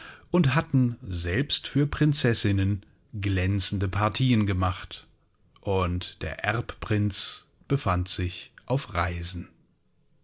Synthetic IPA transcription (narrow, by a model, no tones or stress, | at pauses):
ʔʊnthatn̩zɛlpstfyːɐpʁ̥ɪnt͡sɛsɪnən | ɡlɛnt͡sn̩dəpʰaɐtʰiːənɡəmaχt | ʔʊntd̥ḛːɐʔɛɐppʁ̥ɪnt͡s | b̥əfantz̥ɪçʔaʊfʁaɪzn̩